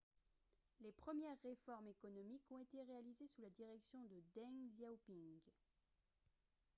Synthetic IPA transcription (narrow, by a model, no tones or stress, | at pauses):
lepχəmjɛʁːefɔʁmekɔnɔmikɔ̃et̪eʁealizesulad̪iʁɛksjɔ̃d̪əd̪ɛŋzawpĩŋɡ